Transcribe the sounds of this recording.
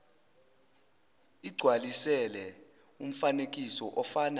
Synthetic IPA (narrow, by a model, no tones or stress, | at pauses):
iɡ͡ǀʱwalisɛlɛ | um̩fanek̬ʼisɔʔɔfaːna